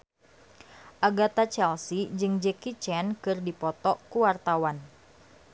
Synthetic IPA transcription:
ʔaɡat̪at͡ʃɛlsid͡ʒɨŋd͡ʒɛkit͡ʃɛnkɨrdipɔt̪ɔkuwart̪awan

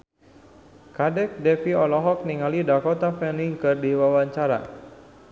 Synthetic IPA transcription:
kadɛk̚dɛfiɔlɔɦɔk̚niŋalidakɔt̪afɛniŋkɨrdiwawaɲt͡ʃaɾa̰

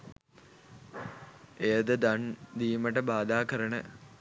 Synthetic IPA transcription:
ejɐd̪əd̪ɐɳd̪iːməʈəbaːd̪aːkɐɾəɳə̰

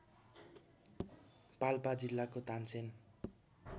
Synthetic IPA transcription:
palpad͡zilːakot̪ant͡sʰen

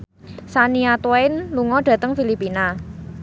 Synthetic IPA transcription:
saniat̪waɪnluŋɔɖ̥ä̤t̪əŋfilipina

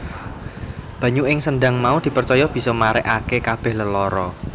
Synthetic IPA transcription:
b̥ä̤ɲuɪŋsənɖa̤ŋmaud̪̥i̤pərt͡ʃɔjɔb̥i̤sɔmaɾɛ̰ʔakekab̥ɛ̤hləlɔɾɔ

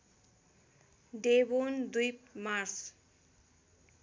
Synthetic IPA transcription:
ɖebond̪ujpmars

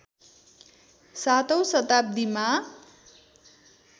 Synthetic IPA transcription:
sat̪ʌwsʌt̪ap̚d̪ima

